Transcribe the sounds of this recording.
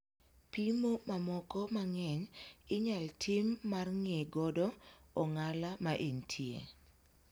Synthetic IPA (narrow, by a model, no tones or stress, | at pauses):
pimomamɔkɔmaŋɛɲɪɲaltʰɪmːarŋeɡɔdɔɔŋalamaʔeɲtʰjḛ